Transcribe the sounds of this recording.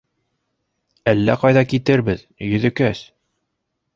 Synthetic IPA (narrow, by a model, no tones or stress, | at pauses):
ælːæqɑjðɑkit̪ɘɾbɘð | jɵ̆ðɘ̆kæs